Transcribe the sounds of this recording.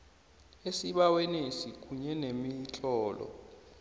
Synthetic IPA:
esiɓawɛnesik̬uɲɛnemit͡ɬʼɔːlɔ̰

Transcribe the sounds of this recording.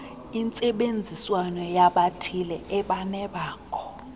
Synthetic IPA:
int͡sʼɛɓend͡zʱiswanɔjaɓatʰilɛʔɛɓanɛɓaːkʰɔ̥

